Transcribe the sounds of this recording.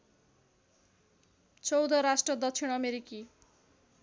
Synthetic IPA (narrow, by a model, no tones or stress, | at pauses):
t͡sʌwd̪ʌɾasʈrʌd̪ʌksʰiɽ̃ʌmeɾiki